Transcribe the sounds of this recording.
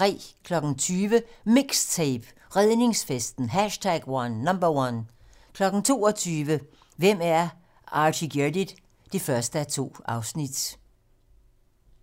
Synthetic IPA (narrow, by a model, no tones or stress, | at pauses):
ʁɛ̰ːkʰlɒ̽ɡ̥n̩t͡sʰyːʋəmeɡ̥st͡sʰeɪb̥ | ʁɛðˠne̝ŋsfesd̥n̩ɦæʃtʰæɡ̥wɑnːɑmbɐwɑn | kʰlɒ̽ɡ̥n̩t͡sʰo̝̰ːɒt͡sʰyːʋə | ʋem̰æɐ | ɑ̈ːɕiɡ̥ed̥id̥ | d̥efɶɐsd̥əæt͡sʰo̝̰ːɑ̈ʊsnid̥